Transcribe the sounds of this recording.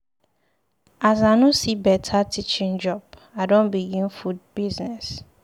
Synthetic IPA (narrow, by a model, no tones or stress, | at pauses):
azanʊ̃sibɛtʰatʰit͡ʃĩnd͡ʒɔbadõnbiɡĩnfud̚biznɛs